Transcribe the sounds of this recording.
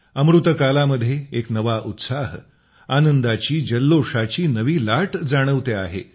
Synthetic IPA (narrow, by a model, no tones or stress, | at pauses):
əmɾut̪əkalaməd̪ʱːjeeknəʋaʔut̪saɦ | anənd̪at͡ɕiːd͡ʑəlːoʂat͡ɕiːnəʋiːlaʈd͡zaɽ̃əʋt̪eaɦḛ